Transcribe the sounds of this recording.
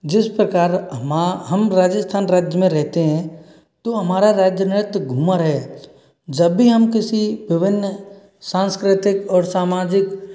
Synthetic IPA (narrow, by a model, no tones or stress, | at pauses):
d͡ʒɪspɾəkaːɾ | ɦəmɾaːd͡ʒəst̪ʰaːnɾaːd͡ʒjəmẽɾɛɦt̪eɦɛ̃ | t̪oɦɐmaːɾaɾaːd͡ʒjənɪɾt̪ɡʱuːmaɾəɦe | d͡ʒəbːiɦəmkɪsibɪʋɪnːə | sãːnskɾɪt̪ɪkɔːɾsaːmaːd͡ʒɪk